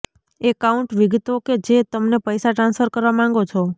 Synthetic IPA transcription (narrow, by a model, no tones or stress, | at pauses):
ekauɳʈʋɪɡt̪oked͡ʒet̪əmnepəjsaʈɾãnsfʰəɾkəɾʋamãŋ̆ɡot͡ʃʰo